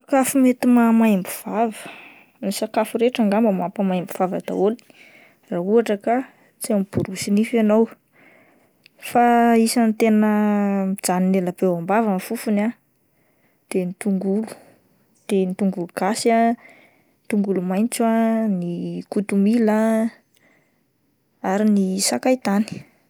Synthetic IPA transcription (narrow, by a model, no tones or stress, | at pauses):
sakafumet̪imamajmbuv̥avə | nisakafuɾeʈ͡ʂaŋɡambəmapəmajmbuv̥avad̪a̰oli̥ | raɦuaʈ͡ʂəka | t͡siamib̥uɾusinifanow | faisant̪enəmid͡zaninelabewambavəmafufuna | d̪̥enit̪uŋɡulu̥ | d̪̥enit̪uŋɡuluɡ̥asa | t̪uŋɡulumajnt͡swanikut̪umila | aɾinisakajt̪ani̥